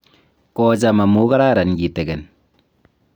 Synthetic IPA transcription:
kɔ˦t͡ʃa˨ma˨mu˦ka˦ɾa˦˨ɾa˨nɡi˨te˨kɛ˨n

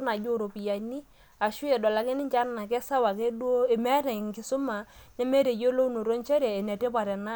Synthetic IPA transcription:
na˨d͡ʒo˦ɾo˨pi˨ja˨ni˦ | a˨ʃʊ˦ɛ˨dɔ˨la˨kɪ˦nɪ˦ɲt͡ʃa˦na˨k̬ɛ˦sa˦wa˨k̬e˦dwo˦e˨mɛ˦ɾɛ˨ŋkɪ˨sʊ˦ma˨ | ɲa˦me˦ɾe˨jo˦lo˦no˨ɾo˦nt͡ʃɛ˦ɾɛː˨nɛ˨te˦pa˨ɾɛ˨na˦

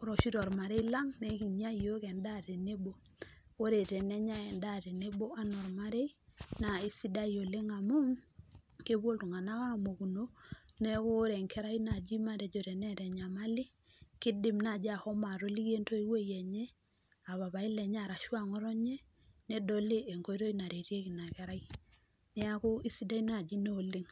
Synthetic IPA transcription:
ɾɔ˨ʃi˦ɾɔ˨ɾma˨ɾe˦ila˦ŋne˦ki˨mja˦˨jo˦kɛ˨nda˦te˨ne˦bo˨ | o˦ɾe˨tɛ˨nɛ˦ɲa˦ɛ˨nda˦te˨ne˦bo˦a˦nɔ˨ɾma˦ɾe˦ina˨i˦si˦da˦jo˨le˦ŋa˨mu˦ŋke˦bwo˦ltu˨ŋa˨na˦wa˦mo˨ku˨no˦ne˦ko˦ɾɛ˨ŋkʰɛ˦ɾa˦ina˨d͡ʒi˦ma˦ɾe˨d͡ʒo˨ɾɛ˨nɛ˦ɾɛ˨ɲa˨ma˦lɪ˦ | kɪ˦dɪ˦mna˨d͡ʒa˨hɔ˦ma˨ɾo˦li˦ɡe˦nto˦i˦we˦jɛ˨ɲe˦ | a˨βa˨βa˨ɪ˦lɛ˨ɲa˦˨ɾa˨ʃwa˨ŋɔ˦ɾɔ˦ɲɛ˦ | ne˦do˦li˦e˨ŋko˦i˦ɾo˦i˦na˨ɾe˨ɾje˦ki˨na˨kɛ˦ɾa˦i˦ | nɛ˦a˦ko˦i˦si˦da˦i˦na˨d͡ʒi˦ne˦o˨lɪ˦ŋ

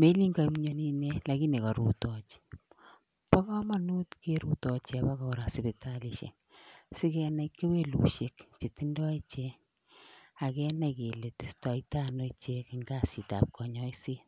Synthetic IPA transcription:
me˦li˦ŋɡa˨i˦mɲo˦ni˦ne˦la˨ki˦ne˨ka˨ɾṵ˨tɔ˨t͡ʃ | pɔ˦kɔ˦ma˦nu˦tke˦ɾu˦tɔ˨t͡ʃa˨ba˦kɔ˨ɾa˨si˨be˨ta˦li˨ʃḛ˨ŋ | sɪ˦kɛna˨ikːe˦we˦lṵ˨ʃe˦kt͡ʃe˨ti˦ndɔ˦i˦t͡ʃe˦ | a˨kɛ˦na˨ike˨le˨ti˨stɔ˨ita˦no˦t͡ʃe˦kɪ˨ŋɡa˦si˨ta̰˨p̚kʰɔ˨ɲɔ˦i˦si˦

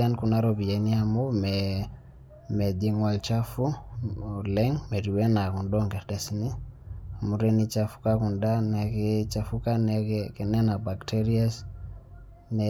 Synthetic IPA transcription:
anku˨na˦ɾɔbi˨je˨niamo˦mɛ | mɛ˨di˦ŋwalt͡ʃafu˦ | lɛ˦ŋmɛ˨ɾi˨wɛ˦na˨ku˨ndɔŋɡɛ˨ɾdɛsni˦a˨mu˨ɾeni˦t͡ʃafu̥kaku˨nda˦nakit͡ʃafuka˦nɛkɛ˨nɛ˦na˨ba˨ktɛɾias | nɛ

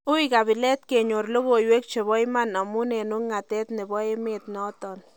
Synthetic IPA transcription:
ʊ˦ika˨βi˨lɛ˦t̚ke˨ɲo˨rlo˦ɣo˨jwe˦k̚t͡ʃe˨βɔ˦jma˦na˨mu˦ne˨nu˦ŋːa˨tɛ˦tnɪ˨bɔ˦e˦me˦tnɔ˦tɔ˨n

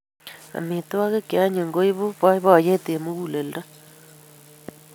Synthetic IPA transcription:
a̰˨me˨twa˦ɣe˦kea˦ɲe˨ŋɡo˦i˦βo˦βa˦i˦βa˦˨je˦te˨mo˦ɣu˨le˨lda˦

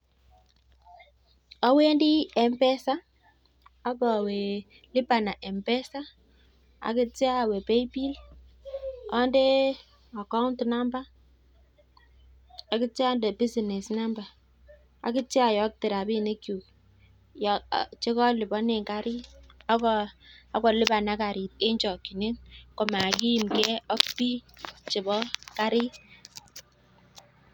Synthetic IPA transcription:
ɔ˦we˦ndi˦ɛ˨mpɛ˦sa˦ | a˦bɔ˨we˨ | lɪ˦ba˨na˨ʔɛ˨mbɛ˦sa˦ | a̰˨kɪ˦tja˦˨we˨pe˦i˦bi˦l | ɔ˦nde˦ | a˨ka˦wntna˦mba˦ | a˨kɪ˦t͡ʃa˦nde˨bi˦si˨ne˨sna˦mba˨ | a̰˨kɪ˦t͡ʃa˦˨jɔ˦k̚tɪ˨ɾa˨bi˦ne˦kju˨ | jt͡ʃe˦kɔ˦lɪ˨bɔ˦ne˨ŋka˦ɾɪ˦a˦kɔ˦a˨˦kɔ˨lɪ˦ba˨na˦ka˨ɾɪ˨t̚e˦ɲt͡ʃɔ˨kːi˨ne˦nkɔ˨ma˨ki˦ji˨mkɛ˦ɔ˦kpi˦t͡ʃe˨bɔ˦ka˦ɾɪ˦

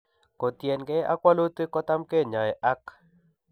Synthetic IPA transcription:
ko˨t̪jɛ˨nɡɛ˦a̰˦kwa˦lo˦t̪e˦kɔ˦t̪a˦mke˦˨ɲa˨ɛ˨ʔa˦k

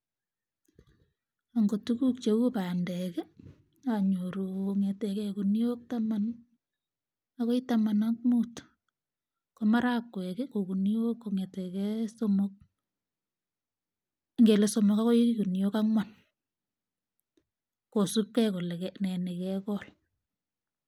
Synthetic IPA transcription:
aŋɡo˨tuku˦k̚t͡ʃe˨wu˦pa˨ndɛkɛ˦ | aɲoɾuoŋɛ˨tɛ˨kɛku˨n˦o˦k̚taman | akɔ˦itama˨nak̚mu˦t | koma˦ɾakwɛ˨kɛkoku˨nio˦kːoŋɛ˨tɛ˨kɛsomok̚ | ŋɡe˨le˨so˨mo˨ka˦ko˦iiku˨njo˦ka˦ŋwan | ko˨su˦p̚kɛ˦ko˨le˨kɛnɛ˨ne˨kɛkɔl

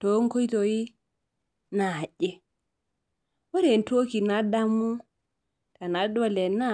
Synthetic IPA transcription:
to˦ŋko˦ji˦to˨ji˦ | na˨ɟɛ˨ | wo˦ɾe˨n˨to˦ki˨na˦da˦mu˦ | ta˨na˨do˦lɛ˨na˦

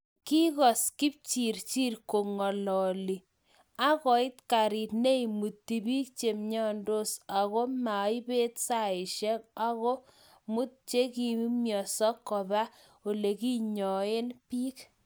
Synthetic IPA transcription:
ki˦ɣɔ˨ski˦p̚t͡ʃi˨ɾt͡ʃi˦rko˨ŋɔ˨lɔ˨li˨ | a˦ɣɔ˨ɪ˦tka˨ɾi˨tne˦i˨mu˨tːi˨bi˦k̚t͡ʃe˨mɲɔ˦ndo˦sa˨ɣɔ˦ma˨˦i˦be˦tsa˦˨ɪ˨ʃɛ˦ka˦ɣɔ˦ | mu˦t̚t͡ʃe˦ki˨˦mjɔ˨sɔ˦kːɔ˨ba˦ | o˨le˨ki˦ɲɔ˨e˦npiː˦k

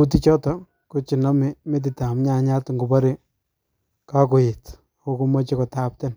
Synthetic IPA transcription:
u˦ti˦t͡ʃɔ˦tɔ˨ | ku˦t͡ʃi˨nɔ˦mi˦me˦t̬i˨ta˨m˦ɲa˦˨ɲa˦tŋɡu˨pa˦ɾe˦ | ka˦ko˨jɪ˨t | ko˦ku˦mɔ˦t͡ʃi˦kɔ˨ta˦p̚tɛ˦n

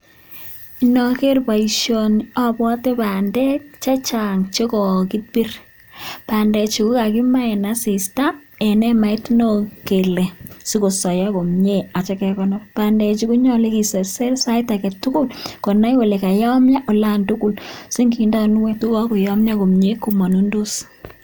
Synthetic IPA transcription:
i˨nɔ˨ke˦rpa˨i˨ʃjonɔ˦pɔ˦te˦pa˨ndɛ˦k̚t͡ʃa˦t͡ʃa˨ŋt͡ʃe˦kɔ˨ki˦t̚bi˦r | pa˨ndɛ˨t͡ʃi˨ku˦ka˨ki˦ma˦ɛ˨na˦si˨sta˦ɛ˨nɛ˦ma˨i˦tno˦ke˨le˨si˦ko˨sɔ˨ja˦ko˨mɲe˦a˨t͡ʃɛ˦kɛ˨kɔ˦nɔpa˨ndɛ˨t͡ʃi˦ku˦ɲɔ˦le˦ki˨se˨sɛ˦rsa˦ɪta˨kɛ˨tʊ˦kʊ˦lkɔ˨na˦jwɔ˨le˨ka˨jɔ˦mja˦ʔo˨la˦ntu˦ku˨lsi˦ŋɡi˨nda˦nwe˦tu˦kɔ˦ku˨jɔ˦mɲa˦ko˨mɲe˦ku˨ma˨nu˦ndo˦s

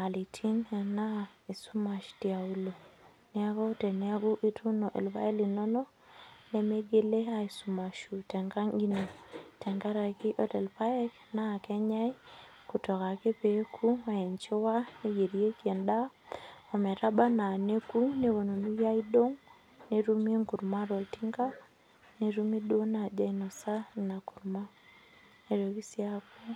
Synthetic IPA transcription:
a˨li˨tʰi˦n˨na˦i˨su˦ma˨ʃti˨a˨u˦lo˨ | nɛ˦a˦ɡɔ˦tɛ˨ne˦a˦ɡu˦ʔi˦tu˦no˨ʔḛ˨lpa̰˦e˦li˨no˦no˦ | ne˦me˦ɡe˦le˦a˦i˨su˨ma˨ʃu˨tɛ˨ŋɡa˦ŋɡi˦no˨tɛ˨ŋɡa˦ɾa˨ki˦ʔɔ˦tɛ˨lpa˦ɛ˦kna˦˨kɛ˦ɲa˦i˦ | kutɔ˨ɣa˨ke˦pekʰu˦a˨ɛ˨ɲt͡ʃe˦wa˦ne˦je˨ɾie˦kiɛ˨nda˦o˨mɛ˨ɾaba˦na˨ne˦ku˦ne˦βo˨no˨nu˦ja˦ido˦ŋ | ne˨ɾu˦me˦ŋku˨ɾmaɾɔ˨tiŋɡa˦ | ne˨ɾu˦me˦dwo˦na˨d͡ʒa˦ino˨sa˦na˨ku˨ɾma˦ | ne˨ɾo˨ɣi˦sjako˦

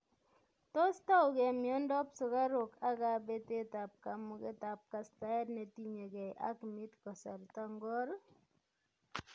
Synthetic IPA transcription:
tɔ˦sta˦ʊ˨kɛ˨mjɔ˦ndɔ˦psʊ˨ka˦ɾo˨ka˦ka˨be˦te˦ta˨p̚ka˨mu˨ke˦ta˨p̚ka˦sta˦ɛ˦tne˨ti˦ɲe˨kɛ˨jʔa̰˦kmi˦tkɔ˨sa̰˨ɾta˦ŋɡɔ˦ɾ

